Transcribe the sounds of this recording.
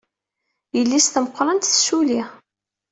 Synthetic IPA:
jəlːisθəməqʷːɾˤɑnt̪θsuli

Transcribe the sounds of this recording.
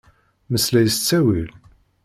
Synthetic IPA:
məslæjəst͡sːæwil

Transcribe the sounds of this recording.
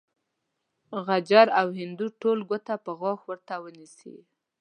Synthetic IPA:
ɣad͡ʒaɾawhɪnd̪uʈolɡət̪apəɣɑxwəɾt̪awənisḭ

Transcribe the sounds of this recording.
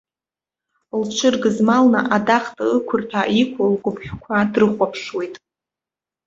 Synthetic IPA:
lt͡ʃʷʰɨrɡɨzmalna̰ʔadaχtʼɨɨkʷʰʊrtʰaikʷʰolɡʷʊpʰχʲᶣkʷʰadrɨχʷʼapʰʂwe̞jtʼ

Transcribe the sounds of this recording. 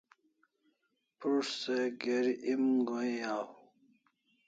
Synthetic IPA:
puʂseɡeɾʔimɡoijaːw

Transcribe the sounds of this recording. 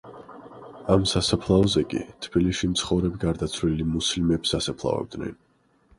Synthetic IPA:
amsasapʰlˠaɔzɛkʼḭt̪ʰb̥iliʃimt̪sʰχɔvɾɛbiɡaɾd̪at̪sʰvlilimuslimɛbsasapʰlˠa̰vɛ̰b̚d̪nɛ̰n

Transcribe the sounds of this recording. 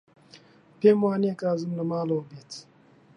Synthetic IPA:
pʰeːmwaːniekaːzumlɐmaːlɐwɐbeːt̪ʰ

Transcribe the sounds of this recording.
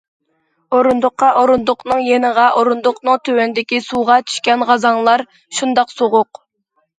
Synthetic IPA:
oɾund̪ʊqʰːɑʔoɾund̪ʊqnɨŋjenəʁɑʔoɾund̪ʊqnɨŋt̪ʰøwønd̪ɪkʲisuʁɑt͡ʃ̪ʰy̥ʃkʲɛnʁɑzɑŋlˠɑɾ | ʃund̪ɑqsoʁʊq

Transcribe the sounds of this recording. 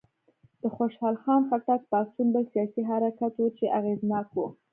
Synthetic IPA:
d̪̥əxoʃhɑlxɑnfak̚t̪at̪pat̪unbəlsijɑsiɦaɾakat̪wut͡ʃeʔaɣeznɑkwu

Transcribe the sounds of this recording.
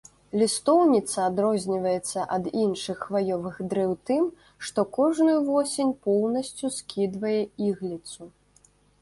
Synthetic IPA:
lʲist̪ɔwnʲit̪sɐad̪ɾɔzʲnʲivɐjɛt̪sːɐʔɐd̪inʂɨxːvajɔvɨxd̪ɾɛwt̪ɨm | ʂt̪ɔkɔʐnujuvɔsʲenʲpɔwnɐsʲt͡sʲuskʲʰid̪vɐjɛiɣlʲit̪su

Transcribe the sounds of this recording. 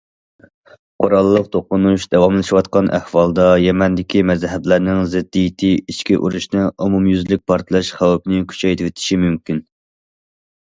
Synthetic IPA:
qʰoɾɑlˠːəq̚t̪ʰoqʊnuʃd̪ɛwɑmlˠɨʃiwɑt̪̚qɑnʔæ̰hwɑlˠd̪ɑjɛmɛnd̪ɪkʲʰimɛzɦɛblæɾnɪŋzɪd̪ːijit̪ʰɪiʃkʲiʔṵɾuʃnɨumumjyzlɪk̚ʲpʰɑɾt̪ʰɨlˠɛʃχæwɛpɪnɪkʲʰy̥t͡ʃʰɛjt̪ʰɪwɪt̪ʰɪ̥ʃimymkʲin

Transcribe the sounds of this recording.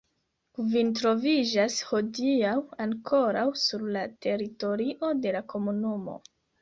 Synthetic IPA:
vintɾo̞vid͡ʒasho̞diawaŋkʰo̞ɾawsuɾlate̞ɾito̞ɾiʔo̞de̞lakʰo̞munumo̞̰

